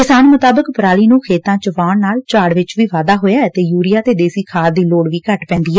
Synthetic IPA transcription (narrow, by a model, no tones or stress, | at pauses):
kɪsaːnmʊt̪aːbəkpɾaːliːnũːkʰeːt̪ãːt͡ʃʋaːɳnaːlt͡ʃaːɽʋɪt͡ʃʋiːʋaːd̪aːɦoːjaːɛt̪eːjuːɾɪjaːt̪eːd̪eːsiːkʰaːɾd̪iːloːɽʋiːkəʈpɛ̃ːnd̪iːɦɛː